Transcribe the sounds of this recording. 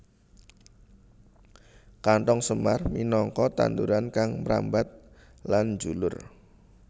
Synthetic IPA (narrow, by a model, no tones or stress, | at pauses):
kaɳʈɔŋsəmarminɔŋkɔt̪a̰nd̪uɾankaŋməɾa̰mbat̪̚ | land͡ʒulʊr